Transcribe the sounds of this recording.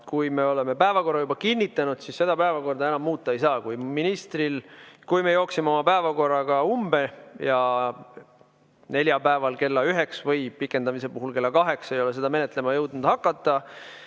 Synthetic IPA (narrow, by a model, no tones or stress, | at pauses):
kujme̞o̞le̞me̞pæevɑko̞rːɑjubɑkinʲːit̪ːˑɑnud̪̥sisːe̞d̪̥ɑpæevɑko̞rd̪ɑenɑmːuːt̪ːˑɑe̞jsɑːkujminist̪rilkujme̞jo̞ːksimeo̞mɑpæevɑko̞rːɑɡ̥ɑumb̥e̞jɑ | ne̞lʲjɑpæevɑlke̞lːɑyɦe̞ksvɤjpikːˑe̞nd̪ɑmise̞puɦulke̞lːɑkɑɦe̞kse̞jo̞le̞se̞d̪ɑme̞net̪ːˑle̞mɑjɤwd̪̚nud̪̥hɑkːˑɑt̪ːˑɑ